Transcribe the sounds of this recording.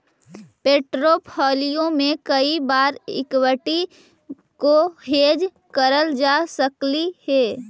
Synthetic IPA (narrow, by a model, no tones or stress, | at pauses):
peːʈɾopʰɔːlijõmẽkəibaːɾɪ̰kwəʈi | koɦeːd͡ʒ | kəɾəld͡ʒasəklihɛː